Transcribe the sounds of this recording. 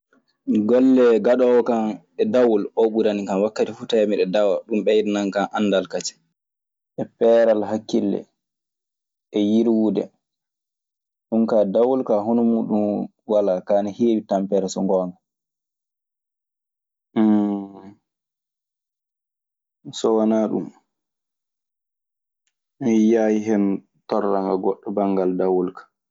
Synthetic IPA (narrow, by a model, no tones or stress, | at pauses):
ɡɔlːɛɡaɗɔwkan | ɛdawulɔɓuɾanikanwakːatifutajamiɗɛdawaɗumɓɛjidnaŋkanʔanːdalkat͡ʃɛ̥ | ʔɛpɛɾalɦakːilːɛ̰ | ʔɛjiɾwudɛ̰ | ɗumkaːdawulkaɦonumuːɗum | walakaːnaheːwitampɛɾɛsɔŋɡɔːŋɡa | sɔwanaɗṵm | mɛjaːjiɦɛn | tɔrːaŋɡaɡɔɗːɔbaŋɡaldawulkḁ